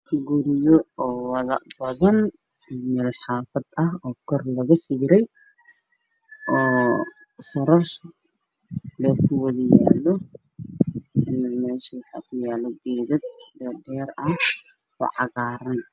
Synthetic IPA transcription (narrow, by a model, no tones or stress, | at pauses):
kʰɡʊɾɪjɔɔːwɑðɐbɐðɐn | ɪmɛlħɑːfɐd̪ɐɦɔːkʰɔrlɐɣɐsiːɾɛj | ʔɔː | sɐɾɔrs | lɔːkʰʊwɐðɐjaːlɔ | ɪnɐmɛːʃɛwɑħɑ̰ːkʰʊjaːlɔɡɛːðɐd̪̚bɛbɛːɾɐh | ɔ̰ʕɑɣaːɾɐn